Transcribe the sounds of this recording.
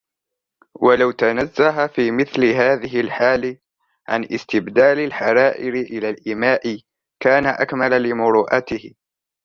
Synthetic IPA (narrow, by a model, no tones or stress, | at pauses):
walawt̪anazːaɦafiːmɪθlɪɦaːðɪɦɪlħaːlɪ | ʕa̰nʔɪ̰st̪ɪbd̪aːlɪlħaɾˤɑːʔɪɾɪʔɪlaːlʔɪmaːʔɪ | kaːnaʔakmalalɪmʊɾuːʔat̪ɪhɪ